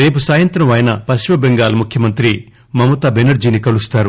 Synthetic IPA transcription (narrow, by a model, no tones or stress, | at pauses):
ɾe̞ːp̬usaːjɐnt̪ɾɐmʋɐjɐnɐpɐsimɐbeŋɡaːlɐmukʰjɐmɐnt̪ɾi | mɐmut̪aːbenɐɾd͡ʒiːnikɐlust̪aːɾu